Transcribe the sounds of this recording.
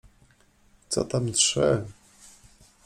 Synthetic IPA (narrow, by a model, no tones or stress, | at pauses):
t̪sɔ̰t̪amitʂɛ